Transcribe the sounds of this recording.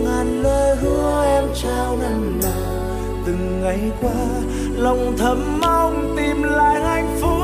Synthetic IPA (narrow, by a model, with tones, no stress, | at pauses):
ŋaː˨˩nləː˧jɦɨ˧˦əəʔɛ˧mt͡ɕaː˧wna˧˩nlaː˨˩ | t̪ɨ˨˩ŋːa˨˩jkwaː˧ | lə˨˩wŋ͡mt̪ʰə˨˦mːa˧wŋ͡mt̪i˨˩mlaː˧˨jha˧˩jŋ̟fu˧˦˥